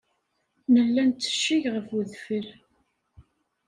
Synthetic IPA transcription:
nəlːænt͡s̪ːə̥ʃːiʝʁəfuðfəɾ

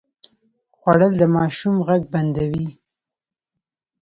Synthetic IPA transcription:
xwaɽəld̪əmɑʃumɣaɡ̚band̪awi

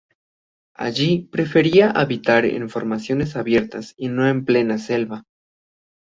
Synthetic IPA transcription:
a̰ʝipɾe̞fe̞ɾiaʔaβit̪aɾḛɱfo̞ɾmasjo̞ne̞saβje̞ɾt̪asino̞e̞mple̞nase̞lβa

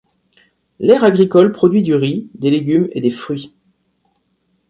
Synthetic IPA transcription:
lɛʁaɡʁikɔlpχɔd̪ɥid̪yʁid̪eleɡʲymḛd̪efχɥi

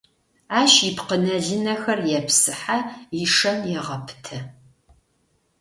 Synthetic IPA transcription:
aːʃipqənɐɮɨnɐxɐrjɛpsɨħajɪʂɐnjɛʁɐpʰtʰɐ

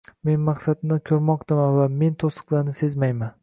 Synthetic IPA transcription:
me̞nmaχsat̪nɪkʲʰɵɾmɒqt̪ʰamanvame̞nt̪ʰosɨ̥qlˠaɾnɪse̞zmajman

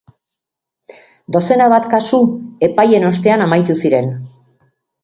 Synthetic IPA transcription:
d̪o̞se̞naβat̪kasue̞paje̞no̞st̪e̞anamajt̪usiɾe̞n

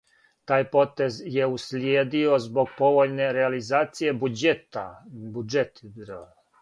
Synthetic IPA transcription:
t̪aːjpo̞t̪e̞zje̞uslʲjeːd̪io̞zbo̞ɡ̚po̞ʋo̞ʎne̞ɾealizaːt̪sije̞bud͡ʒet̪a̰bud͡ʒet̪ɾ

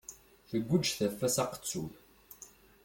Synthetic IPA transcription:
θəɡʷːəd͡ʒθæfːæsɑqə̥t͡sːuθ

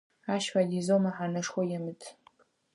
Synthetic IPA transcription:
aʃfadizomaħanɨʂχʷojamɨtʰʼ

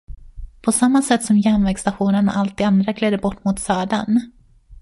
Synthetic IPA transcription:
pʰɔsamːasɛt̪ːsɔmjɛmvɛɡst̪aɧuːnəɳa̰ʔalt̪̚ɪand̪ɾaɡleːd̪əbɔʈːmʊt̪sœːɖan

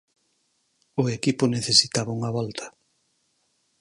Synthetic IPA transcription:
ʊekipʊneθesit̪aβauŋɐβɔlt̪ʰɐ̥

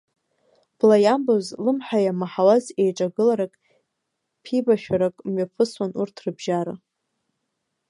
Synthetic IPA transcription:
b̥lajambozlɨmħajamaħawaze̞jʈ͡ʂʼaɡɨlaɾakʼ | pʰibaʃᶣaɾakʼmɥapʰɨswanurtʰrɨbʒaɾa̰

